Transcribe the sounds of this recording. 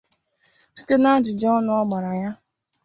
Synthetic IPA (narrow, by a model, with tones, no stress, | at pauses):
si̥˦te˦na˦d͡ʒɪ˨d͡ʒɔ˦ɔ˦nʊ˦ɔ˦ɡ͡ba˨ɾa˨ja˦